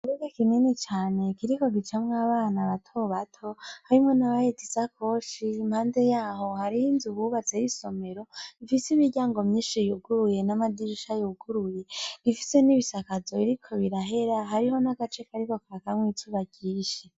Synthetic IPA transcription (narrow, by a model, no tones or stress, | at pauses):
uɾeɡekimenet͡ʃaːne̞kiɾiko̞ɡit͡ʃamŋaːβaːnaβatʰo̞βatʰo̞haɾimŋo̞naβajetisakʰo̞ːʃiːmhaːnde̞jaːɦo̞haɾihinzuβuβat͡sejiso̞me̞ɾo̞ifisimiɾɟaːŋɡo̞mɲiːnʃijuɡuɾuje̞namadiɾiʃajuɡ̥uɾuje̞ɡ̥ifi̥se̞niβisakazo̞iɾikʰo̞βiɾaɦe̞ɾaɦaɾiɦo̞naɡat͡ʃe̞kaɾiko̞kaɾakamŋwit͡ʃʰuβaɡiːʃe